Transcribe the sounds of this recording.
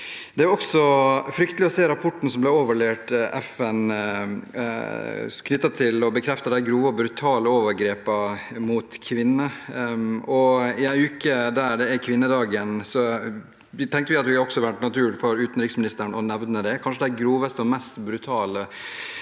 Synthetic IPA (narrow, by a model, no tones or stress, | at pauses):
d̪ɛɾɔksɔfɾʏkt̪əlɪɔseːɾɑpʰɔʈːɳ̩sɔmblɛoːʋəɭeːʈʔɛ̰fɛn | kʰnʏt̪ːɑt̪ʰɪlɔbəkʰɾɛft̪ɑd̪æɪɡɾuːʋəɔbɾʉt̪ʰɑːləoːʋəɾɡɾeːpəmut̪kʰʋɪnːə | ɔɪæɪʉːkəd̪æːɖ̪ɛækʰʋɪnːəd̪ɑːɡənsɔ | t̪ʰɛŋkt̪əʋɪɑt̪ʋɪhɑɾɔksɔʋæɳʈnɑt̪ʰʉːlfɔɾʉːt̪n̩ɾiːksmɪnɪst̪əɾɳɔnɛʋnəd̪ɛkʰɑnʂəd̪æɪɡɾuːʋəst̪əɔmɛst̪bɾʉt̪ʰɑːlə